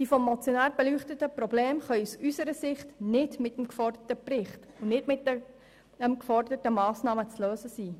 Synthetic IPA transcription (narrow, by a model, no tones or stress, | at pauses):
d̥ifɔmːɔt͡sjonæːɾb̥elyːχtətəpɾɔbleːmχœʏusysəɾəsɪχtnɪdmɪtəmkfɔrdərtəprɪχt | ʊnɪdmɪtə | əmkfɔrdətəmɑːsnɑːmət͡sløːsəsiː